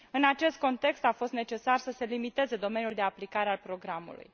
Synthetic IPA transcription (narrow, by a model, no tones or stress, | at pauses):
ɨnat͡ʃe̞st̪̚ko̞nt̪e̞kst̪afo̞st̪ne̞t͡ʃe̞sarsəse̞limit̪e̞ze̞d̪o̞me̞njuld̪e̞aplikaɾealpɾo̞ɡɾamṵlṵj